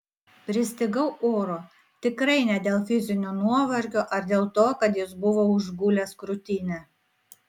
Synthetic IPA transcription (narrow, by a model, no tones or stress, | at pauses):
pʲɾʲɪsʲt̪ʲɪɡɐʊʔoːɾoː | t̪ʲɪkɾɐɪnʲɛd̪ʲeːlˠfʲɪzʲɪnʲunuɔʋɐɾʲkʲoːʔɐɾd̪ʲeːlˠt̪oːkɐt̪jɪsbʊʋoʊʒɡuːlʲeːskɾʊt̪ʲiːnʲɛ